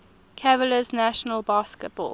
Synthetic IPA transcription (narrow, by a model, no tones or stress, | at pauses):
kʰɛvələznæʃənəlˠbɑːˑskət̚b̥ɔ̰ːl